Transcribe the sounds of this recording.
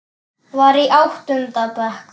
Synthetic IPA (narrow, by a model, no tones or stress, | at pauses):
vaːɾiʔawht̪ʏnt̪apɛhk